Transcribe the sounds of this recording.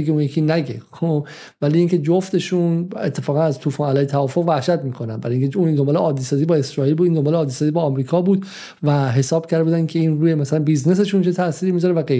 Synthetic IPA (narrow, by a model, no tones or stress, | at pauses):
eɡeũnjekʰiːnæɡekʰo | væliiːŋcʰe̞d͡ʒoft̪e̞ʃunḛt̪ʰːe̞fɒːɣænæzt̪ʰuːfɑːnælɒːjet̪ʰævɒːfo̞ɣvæhʃæt̪miːkʰo̞nænbæɾjiːŋcʰeuːnd̪ombɒːleʔɒːd̪ːiːsɒːzibɒːe̞sɾɒːiːlbud̪iːnd̪o̞mbɒːleɒːd̪ːisɒːziːbɒːmɾiːkʰɒːbuːd̪ | væɦe̞sɒːb̥̚cʰæɾd̪ebuːd̪ænkʲʰeiːnɾuːjemæsælænbiːzne̞s̬e̞ʃunt͡ʃʰet̪ʰæsiːɾimiːzɒɾevæɡe